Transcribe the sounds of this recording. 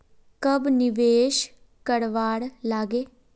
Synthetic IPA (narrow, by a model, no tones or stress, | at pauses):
kəbnɪʋeːʃ | kəɽʋaːɽlaːɡeː